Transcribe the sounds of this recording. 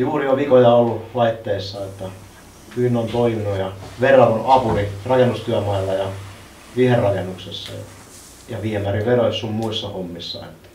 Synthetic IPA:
juːrijoʋikojɑolːulɑit̪ːeisːɑet̪ːɑ | kyinːont̪oiminujɑʋerːɑnonɑpurirɑkenːust̪yæmɑilːɑjɑ | ʋiherrɑkenːuksesːɑ̰jɑ̰ | jɑʋiemæriʋeroissummuisːɑhomːisːɑ̰ḛt̪ːæ̥

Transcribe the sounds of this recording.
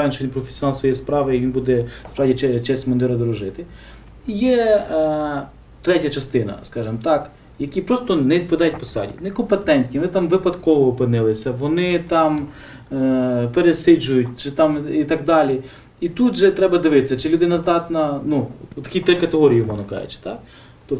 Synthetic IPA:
jɛnʃɔʋʲinpɾɔfʲe̥sʲɔnɑlˠsʋɔjɛjspɾɑʋɪiʋinbud̪ɛspɾɑʋdʲit͡ʃɛt͡ʃɛsʲtʲmɐnd̪ɪɾɐd̪ɔɾɔʒɪt̪ɪ | ijɛ | t̪ɾɛtʲɐt͡ʃɐst̪ɪnɐ̰skɑʒɪmt̪ɑk | jɐkʲipɾɔst̪ɔnɛid̪̚pɐd̪ɑjɛt̚ʲpɔsɑ̰dʲḭnɛkɔmpet̪ɛnʲt̪ʲnʲiʋɔnɪt̪ɑmʋɪpɐd̪kɔʋɔːpɪnɪlˠɪsʲɐʋɔnɪt̪ɑm | peɾesɪd͡ʒʊjʊtʲt͡ʃɪt̪ɑmit̪ɐɡ̚d̪ɑlʲi | it̪ut̪ʒɛt̪ɾɛbɐd̪ɪʋɪt̪ɪsʲːɐt͡ʃɪlʲud̪ɪnɐzd̪ɑt̪nɐnuɔt̪ːɐkʲit̪ɾɪkɐt̪eɦɔɾʲijimɔnɐkɑ̰jɪ̰t͡ʃɪ̥t̪ɑk | t̪ɔp

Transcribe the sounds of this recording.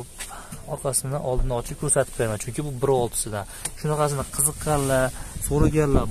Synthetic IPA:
pɒɾqʰɑsɪnɪʔɒlˠd̪ɪnɪɒt͡ʃʰɪp̚kʲʰɵɾsat̪ʰɪ̥pʰːaɾmant͡ʃʰʊŋʲkʲɪbʊbɪɾɒɒlˠt̪ʰɪ̥sɪd̪aʃʊnaqɑs̬ɪnɪqʰɨzɨqːɑnlaɾsoɾaɡʲanla

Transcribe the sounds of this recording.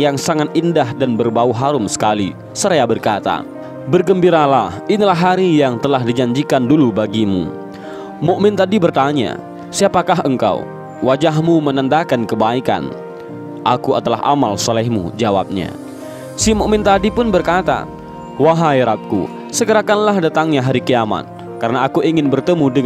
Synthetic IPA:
jaŋsaŋat̪̚indaɦdanbərbauɦaɾʊmsə̥kalḭ | səɾeabərkat̪a̰ | bərɡəmbiɾalahinilaɦaɾijaŋt̪əlaɦdid͡ʒaɲd͡ʒikandulubaɡimṵ | moʔmɛnt̪adibərt̪aɲa̰ | siapakaɦəŋka̰ṵ | wad͡ʒaɦmumənənd̪akankəbaika̰n | ʔakua̰d̪ala̰ɦa̰malsɔlɛhmṵd͡ʒawa̰p̚ɲa̰ | simoʔmɛnt̪adipʊnbərkat̪a̰ | waɦajɾap̚kṵ | səɡəɾakanlaɦdat̪aŋɲaɦaɾikəjama̰t̪̚ | kaɾənaːkuʔiŋɪnbərt̪əmudə

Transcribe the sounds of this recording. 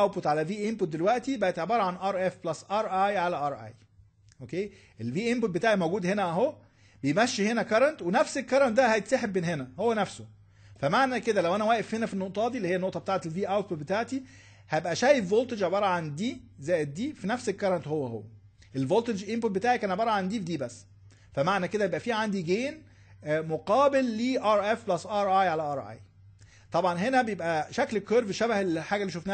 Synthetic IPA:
æwpot̪ʕalæviːʔempot̪̚d̪elwæʔt̪ibæʔæt̪ʕebɑːɾˤɑʕanʔɑɾˤʔefblɑsʔɑɾˤʔɑjʕalæʔɑɾˤʔɑ̰j | ʔokeː | ʔelviːʔempot̪̚bet̪aːʕimowɡuːd̪henæʔæɦo | bejmæʃːihenækɑɾˤɑnt̪wenæfselkɑɾˤɑnt̪̚d̪æhæjet̪sæħebːeːnɦenæhowːænæfso | fæmaʕnæked̪ælæwʔænæwæːʔefhenæfinːoʔt̪ˤɑːd̪iliejænoʔt̪ɑbet̪aːʕet̪elviːʔæwt̪pod̪̚bet̪aːʕt̪i | hæebʔæʃæːjefvoːlt̪ed͡ʒʕɑbɑːɾˤɑʕand̪iːzæːjet̪̚d̪iːfinæfsekːɑɾˤɑnt̪howːæho̰wːæ | ʔelvolt̪ed͡ʒʔimpot̪̚bet̪aːʕikæːnʕebɑːɾˤɑʕand̪iːfd̪iːbæsː | fæmaʕnæked̪æjebʔæfiːʕand̪iɡeːn | moqɑːbelːiːʔɑɾˤʔefblɑsʔɑɾˤʔɑjʕalæʔɑɾˤʔɑ̰j | t̪ˤɑbʕɑnɦenæbejebʔæʃæklekeːɾveʃæbæhelħaːɡælːiːʃofnæ

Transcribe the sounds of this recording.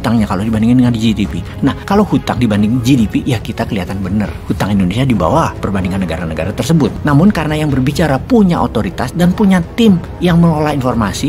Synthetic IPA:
t̪aŋɲakalodibandiŋandəŋand͡ʒidipi | nahkalowhut̪aŋdibandɪŋd͡ʒidipiʔjakit̪akəliɦat̪anbənə̰rhut̪aŋindonesiadiba̰wapərbandiŋanːəɡaɾanəɡa̰ɾat̪ərsəbʊt̪̚namʊnkaɾənajaŋbərbit͡ʃaɾapuɲaʔot̪oɾit̪asdanpuɲat̪ɪm | jaŋməlolahinformasi

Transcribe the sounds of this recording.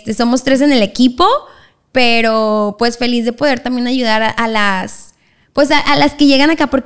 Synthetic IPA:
st̪e̞so̞mo̞st̪ɾe̞s̬e̞ne̞le̞kipo̞ | pe̞ɾo̞pwe̞sfe̞lizðe̞po̞ð̞e̞ɾt̪ambje̞naʝuðaɾaʔalas | pwe̞saʔalaske̞ʝe̞ɣanakapo̞ɾk

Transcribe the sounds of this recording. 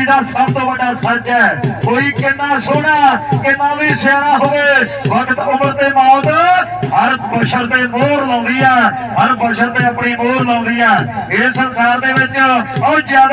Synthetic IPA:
daːsəbt̪õːbəɖaːsət͡ʃɦɛːkoːiːkɪnːaːsʊɽaːkɪnːãːbiːsɛːɽaːɦoʋeːʋəkət̪ʊməɾt̪eːmaːt̪ɦəɾbəʃəɾd̪ẽːmoːɾlãːʊ̃nd̪ɪjãː | əɾbəʃəɾd̪ẽːəpɳĩːmoːɾlãːd̪ɪjãːesənsaːɾd̪eːʋɪt͡ʃəd͡ʒjaːd

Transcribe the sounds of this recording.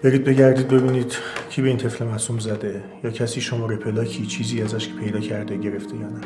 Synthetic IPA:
b̥e̞ɾiːd̪̚be̞ɟæɾd̪iːd̪̚be̞biːniːd̪̥cʰiːbe̞int̪ʰe̞fle̞mæsumzæd̪e̞ | jɒːcʰæsiːʃomɒːɾepʰe̞lɒːcʰiːt͡ʃʰiːziːæzæʃpʰe̞jd̪ɒːcʰæɾd̪e̞ɟe̞ɾe̞ft̪ʰejɒːnæ

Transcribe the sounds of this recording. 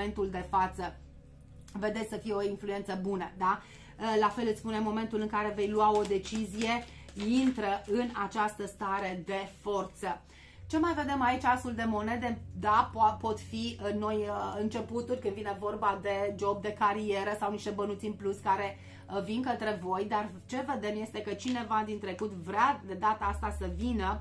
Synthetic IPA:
ent̪uld̪e̞fat̪sə | ve̞d̪esʲsəfijeo̞influe̞nt̪səbunəd̪a | lafe̞lɨt̪sspune̞mːo̞me̞nt̪ulɨŋkaɾe̞ve̞jluao̞d̪e̞t͡ʃizije̞ | int̪ɾəɨnat͡ʃast̪əst̪aɾe̞d̪e̞fo̞rt̪sə | t͡ʃe̞majve̞d̪e̞mait͡ʃasuld̪e̞mo̞ne̞d̪e̞d̪appo̞t̪fino̞jɨnt͡ʃe̞put̪̚ʲurʲkɨnd̪vine̞vo̞rbad̪e̞d͡ʒo̞b̚d̪e̞kaɾie̞ɾəsawniʃt̪e̞bənut̪sinpluskaɾe̞ | vinkət̪ɾe̞vo̞jd̪ar | t͡ʃe̞ve̞d̪e̞mje̞st̪e̞kət͡ʃine̞vad̪int̪ɾe̞kut̪vɾad̪e̞d̪at̪əast̪asəvinə

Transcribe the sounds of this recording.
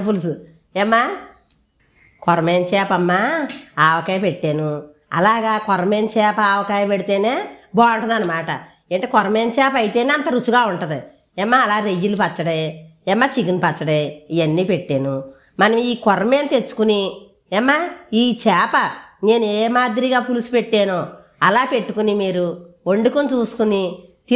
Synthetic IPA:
pulusu | ɛmːa | kɔɾɐmeːnt͡ʃɛːpɐmːaːaʋɐkajɐpeʈːeːnu | ɐ̰laːɡaːkɔɾɐmeːnt͡ʃɛːpɐaʋɐkaːjɐpeɽit̪eːneːbɔːuɳʈund̪ɐnːɐmaːʈɐ | eːɳʈekɔɾɐmeːnt͡ʃɛːpɐjit̪eːneːɐnt̪ɐɾut͡ʃuɡaːuɳʈɐd̪i | ɛmːaːlaːɾejːulupɐt͡ʃːɐɽeɛmːat͡ʃiɡinpɐt͡ʃːɐɽeiɐnːiːpe̞ʈːeːnu | mɐnɐiːkɔɾmeːnt̪e̞t͡ʃːu̥kuni | ɛmːaiːt͡ʃɛːpɐne̞ːnueːmaːd̪iɾiɡaːpulusu̥pe̞ʈːeːnoː | ɐlaːpe̞ʈːukunimiːɾuoɳɖikunt͡ʃuːsu̥kunit̪i

